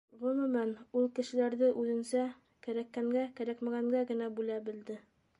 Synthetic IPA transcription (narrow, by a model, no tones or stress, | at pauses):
ʁɵ̆mɵ̆mænulˠkɘ̆ʃɘ̆læɾðɘʔʉðɘ̆nsæ | kæɾækːæŋɡækæɾækmæɡæŋɡæɡɘ̆næbʉlæbɘ̆ld̪ɘ